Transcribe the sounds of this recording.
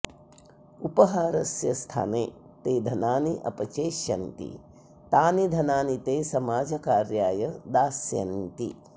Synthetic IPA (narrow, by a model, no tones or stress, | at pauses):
upɐɦaːɾɐsjɐst̪ʰa̰ːneːt̪eːd̪ʱɐnaːniʔɐ̰pɐt͡ʃeːʃjɐ̰nt̪ḭ | t̪aːnid̪ʱɐnaːnit̪eːsɐmaːd͡ʒʱɐkaːɾjaːjɐd̪aːsjɐ̰nt̪ḭ